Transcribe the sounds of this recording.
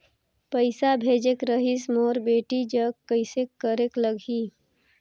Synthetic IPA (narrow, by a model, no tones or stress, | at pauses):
pəɪsabʱeːd͡ʒekɾəɦismoːɾbeːʈid͡ʒəɡkːəɪsekːəɾekləɡʱi